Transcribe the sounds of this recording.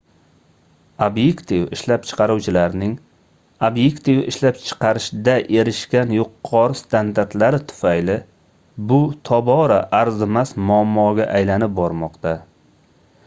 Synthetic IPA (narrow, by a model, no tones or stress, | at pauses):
objekt̪ivɪʃlapt͡ʃʰɨ̥qʰɑɾuwt͡ʃʰɪlaɾnɪŋ | objekt̪ivɪ̰ʃlapt͡ʃʰɨ̥qʰɑɾɪʃd̪aʔe̞ɾɪʃkʲanjʊqʰːɒɾɪst̪ʰand̪aɾt̪laɾɪt̪ʰʊ̥fajlɪ | bʊt̪ʰɒbɒɾaʔaɾzɪmasmʊamːɒɡʲaʔajlanɪp̚bɒɾmɒqt̪a